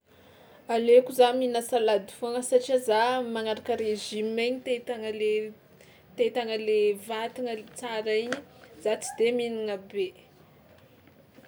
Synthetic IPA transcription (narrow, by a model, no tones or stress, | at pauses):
alekuzaminəsalad̪i̥faŋəsaʈ͡ʂiazamaŋaɾakəɾeʒimeɲit̪et̪aŋəle | t̪et̪aŋəlevat̪iŋəlt͡saɾiɲəz̥at͡si̥d̪eminiŋəbe